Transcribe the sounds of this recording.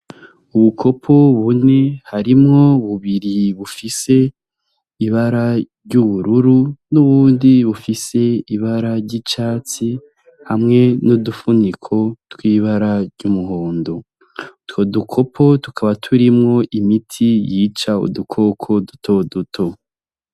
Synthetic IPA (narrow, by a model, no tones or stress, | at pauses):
uβukʰo̞pʰo̞βune̞haɾimŋo̞βuβiɾiβufise̞ | iβaɾaɾɟuβuɾuɾunuβuːndiβufise̞iβaɾaɾɟit͡ʃaːt͡si | hamŋe̞nodufunikʰo̞twiːβaɾaɾɟumuɦoːndo̞ | twodukʰo̞pʰo̞tu̥kʰaβatʰuɾimŋo̞ʔimitʰijiːt͡ʃaṵdukʰo̞kʰo̞dutʰodutʰo̞